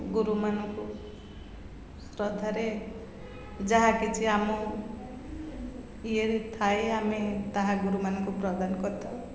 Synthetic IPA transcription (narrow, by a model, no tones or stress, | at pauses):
ɡuɾumanɔku | sɾɔd̪ʱaɾe | d͡ʒaɦãkit͡ʃʰiamɔ | ieɾit̪ʰaeamit̪aɦãɡuɾumanɔkupɾɔd̪ankɔt̪ʰɔ